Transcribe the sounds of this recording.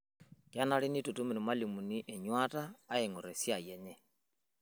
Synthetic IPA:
kja˦na˨˦li˦ni˦tu˨tu˦mi˨nu˨ma˦li˨mu˨ni˦ʔɛ˨ɲwa˦taː˦e˨ŋo˨ɾɛ˨sja˨jɛ˨ɲɛ˦

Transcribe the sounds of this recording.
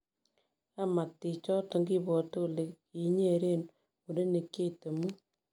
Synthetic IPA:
a˦ma˨tːi˨t͡ʃɔ˦to˨ŋɡi˦bɔ˨to˦le˨k | i˨ɲe˦˨˦ɾe˦˨n | u˨de˦ne˨ke˦˨te˨mu˦

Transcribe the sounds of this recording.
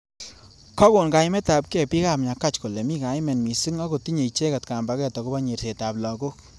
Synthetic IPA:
kɔ˦ko˨nka˨jmɛ˦ta˨p̚kɛ˦˨pi˦ka˨pɲa˨ka˦t͡ʃko˨lɛ˨mi˦ka˨˦jmɛ˨nmi˨si˦ŋɔ˦ko˨ti˦ɲe˨i˨t͡ʃe˦ka˨tka˨mba˨kɛ˦tɔ˨ko˦ba˦ɲe˨ɾse˨ta˨blɔ˨ko˦k

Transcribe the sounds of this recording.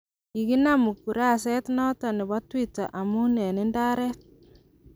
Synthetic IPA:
i˨ɡi˦na˦mu˨ku˨ɾa˦˨sɛ˦t̪nɔ˦tɔ˨nɪ˨βɔ˦twi˦ta̰˨ʔa˨mu˦nɛ˨ni˦nda˦ɾɛ˦t̚

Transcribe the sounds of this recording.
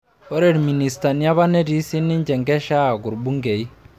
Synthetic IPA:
o˦ɾe˨ɾmi˨ni˨sta˨ni˦a˦βa˦ne˦di˦si˦nːi˦ɲd͡ʒɛ˨ŋɡɛ˦ʃa˦˨ɡu˨ɾbu˦ŋɡe˨i˦

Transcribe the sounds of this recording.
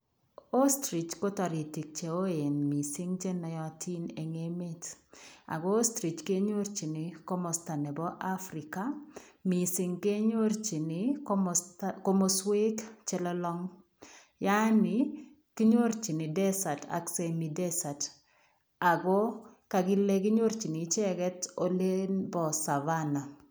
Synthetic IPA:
o˦stɾi˨t͡ʃɡo˦ta˨ɾi˨ti˨k̚t͡ʃe˨o˦e˨nmi˨sɪ˦ŋt͡ʃɛ˦nːa˨jɔ˨tʰi˦ne˨ŋe˦me˦ta̰˨ɡɔ˦o˦stɾi˨t͡ʃke˦ɲo˦ɾt͡ʃi˨nɪ˨ko˦mɔ˨sta˨nɛ˨bɔ˦ʔa˦fɾi˨ka˦ | mi˨sɪ˨ŋke˦ɲo˦ɾt͡ʃi˨nɪ | ko˦mo˦swe˦kt͡ʃɛ˦lɔ˦lɔ˦ŋ | ja˦nɪ˨ | ki˦ɲo˦ɾt͡ʃi˨nɪ˨dɛ˦sa˨ta̰˨kse˨mi˨dɛ˦sa˨t | a˨ɡɔ˦ka˨ɡɪ˦le˦kɪ˦ɲo˦ɾt͡ʃi˨ni˨t͡ʃɛ˦ɡɛ˦to˨le˦nbɔ˨sa˨va˦na˨

